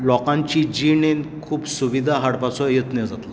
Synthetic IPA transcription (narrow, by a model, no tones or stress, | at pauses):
lɔkãɲt͡ɕid͡ʑiɳenkʰuːpsuʋid̪ʱaɦaɽpat͡sɔjet̪nɛd͡zat̪la